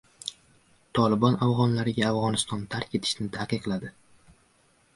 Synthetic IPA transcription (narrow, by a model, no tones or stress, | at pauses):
t̪ʰɒlɪbɒnavʁɒnlaɾɪɡʲaːvʁɒnɪst̪ɒnt̪ʰaɾkʲe̞t̪ʰɪ̥ʃnɪt̪ʰaqɨqlˠad̪ɪ